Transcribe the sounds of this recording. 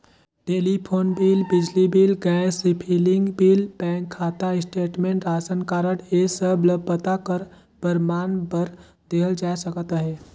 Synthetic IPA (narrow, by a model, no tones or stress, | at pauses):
ʈeːlipʰoːnbiːlbɪd͡ʒlibiːlɡɛsipʰiːlɪ̃ŋɡbiːlpɛ̃ːŋkʰːaːt̪aɪsʈeːʈmẽːɳʈɾaːsənkaːɾəʈeːsəbləbːət̪akəɾ | pəɾmaːnbəɾ | d̪eːɦəld͡ʒaːsəkət̪ɦɛː